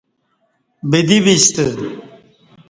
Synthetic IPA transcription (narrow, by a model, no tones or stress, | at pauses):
bid̪ibist̪ə